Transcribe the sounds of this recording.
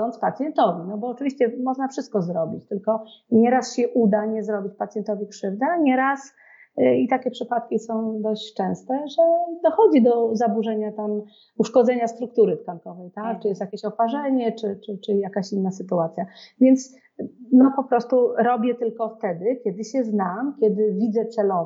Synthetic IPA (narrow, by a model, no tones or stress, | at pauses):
ɔnt̪spat̪sʲjɛnt̪ɔvʲinɔbɔːt͡ʂɘvʲiɕt͡ɕɛmɔʐnafʂɘst̪̚kɔzɾɔbʲit͡ɕt̪ɘlkɔɲɛɾasɕɛʔud̪aɲɛzɾɔbʲit͡ɕpat̪sʲjɛnt̪ɔvʲikʂɘvd̪aɲɛɾas | it̪akʲɛpʂɘpat̪̚kʲisɔ̃w̃d̪ɔɕt͡ɕt͡ʂɛ̃w̃st̪ɛʐɛd̪ɔxɔd͡ʑid̪ɔzabuʐɛɲat̪am | uʂkɔd̪zɛɲast̪ɾuk̚t̪uɾɘt̪kaŋkɔvɛjt̪akt͡ʂɨjɛst̪jakʲeɕɔpaʐɛɲɛt͡ʂɘt͡ʂɘt͡ʂɘjakaɕinːasɘt̪uat̪sʲjavʲjɛnt̪s | nɔpɔpɾɔst̪uɾɔbʲjɛt̪ɘlkɔft̪ɛd̪ɘkʲɛd̪ɘɕɛznamkʲjɛd̪ɘvʲid̪zɛt̪sɛlɔ